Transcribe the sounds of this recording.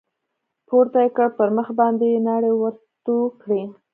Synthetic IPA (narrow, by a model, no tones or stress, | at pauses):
poɾt̪ajekəɽpəɾməxbɑnd̪enɑɽewəɾt̪okɽi